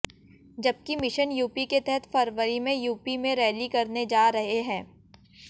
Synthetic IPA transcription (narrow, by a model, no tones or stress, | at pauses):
d͡ʒɐb̚kimɪʃənjuːpiket̪ɛɦɛt̪fɐɾʋəɾimẽjuːpimẽɾɛːlikɐɾned͡ʒaːɾɐɦeɦɛ̃ː